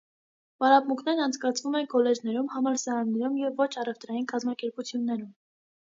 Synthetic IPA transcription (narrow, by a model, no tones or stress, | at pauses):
vɑɾɑpmukʰnɛɾnɑnt͡sʰkɑt͡sʰvumɛnkɔlɛd͡ʒnɛɾumhɑmɑlsɛɾɑnːɛɾumjɛvːɔt͡ʃʰɑrɛvt̪ɾɑjinkɑzmɑkɛɾput͡sʰjunːɛɾum